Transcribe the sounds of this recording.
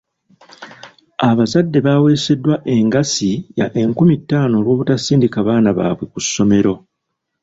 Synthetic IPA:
aβazadːe̞βaːwe̞ːse̞dːwaʔe̞ŋɡasija̰ʔe̞ŋkumitːaːno̞ːlwo̞ːβutasiːndikaβaːnaβa̰ːβwe̞kusːo̞me̞ɾo̞

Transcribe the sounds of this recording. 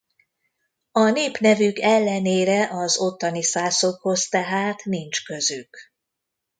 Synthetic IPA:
ɒneːpnɛvykɛlːɛneːɾɛʔɒzo̞t̪ːɒnisaːso̞kho̞st̪ɛɦaːt̪nint͡ʃkø̞zyk

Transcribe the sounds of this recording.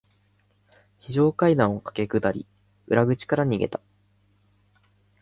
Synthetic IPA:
çiʑo̞ːkaid̪ãɰ̃o̞kḁke̞kɯ̟d̪aɾʲḭ | ɯ̟ɾaɡɯ̟t͡ɕi̥kaɾaɲ̟iɡe̞̰t̪ḁ

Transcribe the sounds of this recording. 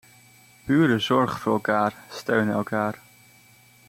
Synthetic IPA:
b̥yːɾəzɔɹχvʊːɹɛlˠkaːɹstøɥnɛlˠkʰaːɹ

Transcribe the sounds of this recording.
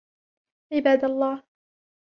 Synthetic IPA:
ʕɪbaːd̪alˤːɑːh

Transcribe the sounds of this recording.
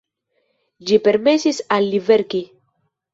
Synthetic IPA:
d͡ʒipeɾmesisalːiveɾki

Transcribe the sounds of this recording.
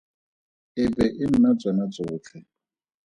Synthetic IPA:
ɪbɛʔɪm̩nat͡sʼwɛnat͡sʼʊːt͡ɬʰɛ

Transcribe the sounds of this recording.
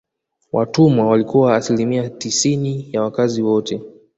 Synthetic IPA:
wʔa̰tumwawalikuwaːsilimiatisinijawakaziwɔtʰɛ

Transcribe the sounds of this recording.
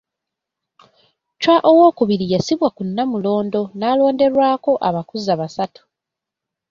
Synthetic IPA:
t͡ʃwaʔowo̞ːkuβiɾijasiβwakunːamulo̞ːndo̞naːlo̞ːnde̞ɾwaːko̞ʔaβakuzaβasatu̥

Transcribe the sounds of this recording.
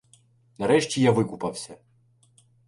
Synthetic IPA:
nɐɾɛʃt͡ʃʲijaʋɪkʊpɐwsʲɐ

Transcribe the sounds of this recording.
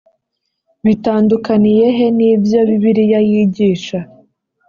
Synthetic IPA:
βitaːndukanije̞ɦe̞niːbjoβiβiɾijajiɟiːʃa

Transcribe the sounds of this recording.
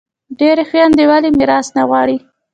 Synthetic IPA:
ɖeɾxwjɑnd̪ewalimɪɾɑsnaɣwɑɽi

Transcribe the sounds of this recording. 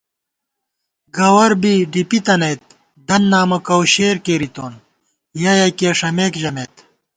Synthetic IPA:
ɡɐwɐɾbiɖipit̪ɐnɐjt̪̚ | d̪ɐnːaːmɐkɐwɕeːɾkeːɾit̪oːn | jɐjɐkeːʂɐmeːkd͡ʑɐmeːt̪

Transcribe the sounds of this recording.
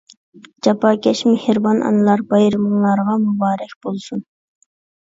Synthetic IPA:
d͡ʒɑpɑːkʲɛʃmehɪɾbɑnɑ̰nɨlˠɑɾbɑjɾɨmɨŋlˠɑɾʁɑmubɑːɾɛkʲb̥olˠsun

